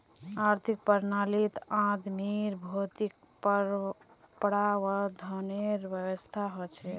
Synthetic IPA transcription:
aɾt̪ʰik̚pəɾnalit̪ãd̪miɾbʱot̪ik̚ | pɾ | pɽawəd̪ʱɔneɾʋjəwəst̪ʰaɦot͡ʃʰɛ

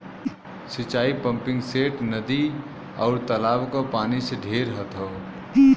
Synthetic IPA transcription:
sit͡ʃaːipə̃mpɪ̃ŋɡseːʈnəd̪i | ɔːɾt̪əlaːbkopaːniseɖʱeːɾɦət̪o

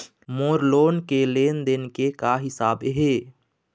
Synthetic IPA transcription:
moːɾloːnkeleːnd̪ɪnkekaɦɪsaːbɦeː

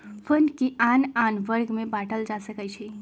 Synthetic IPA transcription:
pʰənkiʔananʋəɾɡmebaʈəld͡ʒasəkət͡ʃʰi

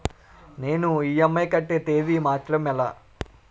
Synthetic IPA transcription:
ne̞ːnuiːjɐmːɐjkɐʈːeːt̪e̞ːd̪imaːt̪ɾɐmɛla̰ː

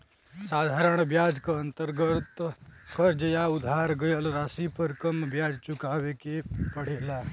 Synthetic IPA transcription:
sad̪ʱaɾəɳ̃bjad͡ʒkəənt̪əɾɡət̪kəɾd͡ʒəjaud̪ʱaɾɡəjəlɾasipəɾkəmbjad͡ʒt͡ʃukaʋekepəɽ̤ela

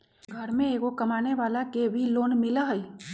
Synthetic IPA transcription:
ɡʱɐɾmẽeːkokɐmaːneʋaːlakebʱiloːnmɪlaɦɛi

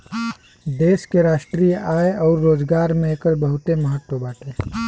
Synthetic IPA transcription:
d̪eːʃkeɾaːʃʈɾiːjaːeɔːɾːoːd͡ʒɡaːɾmẽːkəɾbəɦʊt̪eməɦət̪wəbaːʈeː

